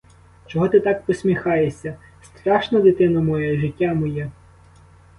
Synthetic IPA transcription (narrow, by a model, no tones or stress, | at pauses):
t͡ʃɔɦɔt̪ɪt̪ɑk̚pɔsʲmʲixɑjesʲɐ | st̪ɾɑʃnɐd̪ɪt̪ɪnɐmɔjɛʒɪtʲːamɔjɛ